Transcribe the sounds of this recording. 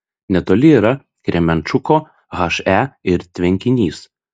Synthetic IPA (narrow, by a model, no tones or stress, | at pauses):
nʲɛt̪oːlʲɪiːɾɐ | kɾʲɛmʲɛnt͡ʃʊkoː | ɣɑʃæːɪɾt̪ʲʋʲɛŋʲkʲɪnʲiːs